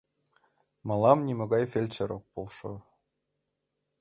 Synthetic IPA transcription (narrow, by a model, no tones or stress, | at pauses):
mɑlˠɑmnʲimɤ̆ɡɑjfʲelʲt͡ɕeɾok̚polˠʃo̰